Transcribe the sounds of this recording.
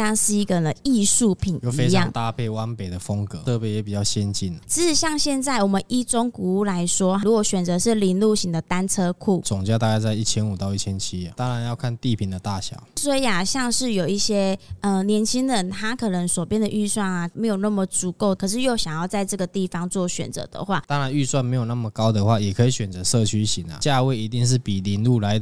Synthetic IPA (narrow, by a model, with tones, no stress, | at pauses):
a˥˧ŋʂɻ̩˥˩i˧˥ɡə˨nə˨i˥˧ʂu˥˩pʰi˨˩njo˥˨fe˥ɪ˧˦jɑ̰˥˧˨ŋt̪a˥˧pʰe˥˩ɪwa˦˥npe˨˩ɪd̪ə˩fə˦ŋkɤ˧˦ɤ˥˩pjɛ˧˥jɛ˨˥pi˨˩t͡ɕjɑ˥˩ʊɕjɛ˦nt͡ɕi˥˩nə˨˩ʂɻ̩˧˥ʂɻ̩˨˩ɕjɑ˥˧ŋɕjɛ˥˧nt͡sa˥˩ɪwɔ˨˩mə˦nʔi˥˩t͡sʊ˥ŋku˧˦˥la˧˦ɪʂwɔ˥ɻu˧˥kwɔ˧˩˦ɕɥɛ˨˩nt͡sɤ˧˦ʂɻ̩˥˩li˧˥nlu˥˩ɕi˧˥ŋd̪ə˨t̪a˥nt͡sʰɤ˥kʰu˥˩˨t͡sʊ˨˩ŋt͡ɕja˥˧t̪a˥˧ka˥˧ɪt͡sa˥˧ɪi˥˩t͡ɕʰjɛ˥nu˨˩t̪ɑ˥˧ʊi˥˩t͡ɕʰjɛ˦nt͡ɕʰi˦˥˨t̪ɑ˥ŋɻa˨˦njɑ˥˧ʊkʰa˥˧nt̪i˥˨pʰi˨˩nd̪ə˨t̪a˥˩ɕjɑ̰˨˩˦ʊswe˥˩i˨˩a˨˩ɕjɑ˥˧ŋʂɻ̩˥˩jo˨˩ʊi˥˩ɕjɛ˥ə˧njɛ˧˥nt͡ɕʰi˥ŋd̪ə˧˦nt̪ʰa˥kʰɤ˨˩nə˧˦ŋswɔ˨˩pjɛ˥nd̪ə˨ʔy˥˧swa˥˩na˩me˧˥ɪjo˨˩ʊna˥˩mə˨˩t͡su˨˧˦ko˥˩ʊkʰɤ˨˩ʂ̬ɻ̩˥˧jo˥˩ʊɕjɑ˨˩ŋjɑ˥˧ʊt͡sa˥˧ɪʈ͡ʂɤ˥˩ɡə˩t̪i˥˩fɑ˨˩ŋt͡swɔ˥˩ɕɥɛ̰˨˩nt͡sɤ̰˧˥d̪ə̰˧˦xwa̰˥˩t̪ɑ˥ŋɻa˧˦ny˥˧swa˥˩nme˧˥ɪjo˨˩na˥˩mə˨˩kɑ˥ʊd̪ə˨xwa˥˩jɛ˨˩kʰəɤ˧˥i˨˩ɕɥɛ˨˩nt͡sɤ˧˦ʂɤ˥˨t͡ɕʰy˥ɕi˨˥˦ŋa̰˨˩t͡ɕja˥˧we˥˩ɪi˧˥t̪i˥˧ŋʂ̬ɻ̩˥˩pi˨˩li˧˥nlu˥˩la˨˧˦ɪd̪